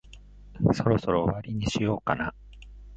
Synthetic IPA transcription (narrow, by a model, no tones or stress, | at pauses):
so̞ɾo̞so̞ɾo̞ːβaɾʲiɲ̟iɕijo̞ːka̰na